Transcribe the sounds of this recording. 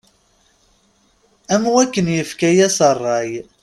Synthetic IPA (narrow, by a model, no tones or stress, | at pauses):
æmwækːənjəfkæjæsərˤːɑj